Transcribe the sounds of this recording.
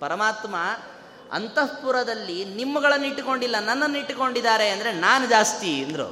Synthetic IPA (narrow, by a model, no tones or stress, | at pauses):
pɐɾɐmaːt̪mɐ | ɐ̰nt̪ɐpuɾɐd̪ɐlːinimːɐɡɐɭɐnːiʈːko̞ɳɖilːɐnɐnːɐnːiʈːko̞ɳɖid̪aːɾe̞ɐnd̪ɐɾe̞naːnud͡ʒaːst̪iːnd̪ɐɾṵ